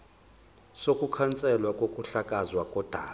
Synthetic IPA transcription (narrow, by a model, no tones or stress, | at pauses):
sokʼukʰant͡sʼɛlwakʼokʼuɬakʼazwakʼɔd̥ʱaː